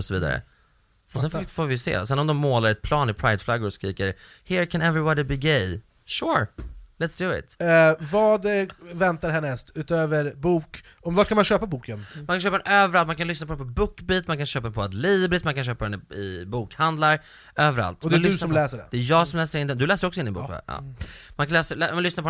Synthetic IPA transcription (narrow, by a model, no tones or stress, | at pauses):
ɔsɔvḭːd̪a̰ɾə̰ | ɔsɛnffoːɾvɪjsḛːsɛnɔmd̪ɔmːoːlaɾɛt̪̚pʰlɑːnɪpʰɾajd̪flaɡːʊɾɔskɾiːkəɾhɪɾkʰɛ̃nɛvɾɪbɑd̪ɪbɪɡej | ʃʊɹlɛt̪sd̪ʉɪ̰t̪vɑːd̪vɛnt̪aɾɦɛnːɛsʉ̟ːt̪øːvəɾbuːk | ɔmvaʈ̚kʰanmanɕøːpabuːkənmankanʃøːpd̪ɛnøːvəɾalt̪mankʰanlʏsnapɔdɛpʰɔbʊkːbiːt̪mankʰanʃøːpadɛpʰɔad̪liːbɾɪst̪mankʰanɕ̬øːpad̪ɛnɪ̰buːkhand̪laɾ | øːvəɾa̰lt̪ɔd̪ɛdʉsɔmlɛːsəɖɛ̰d̪ɛæjɑːɡsɔmlɛːsəɾɪnd̪ɛnd̪ɵlɛːsədɾɔksɔɪnd̪ɪnbṵkɑ̰ːmankʰanlɛːsəmanlʏsnapɔ